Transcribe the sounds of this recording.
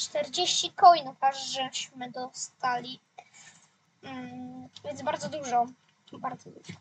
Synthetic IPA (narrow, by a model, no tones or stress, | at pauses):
t͡ʂt̪ɛɾd͡ʑeɕt͡ɕikɔjnukaʐʐɛɕmɘd̪ɔst̪alʲi | vʲjɛnzbaɾd̪zɔd̪uʐɔ | baɾd̪zɔd̪uʐɔ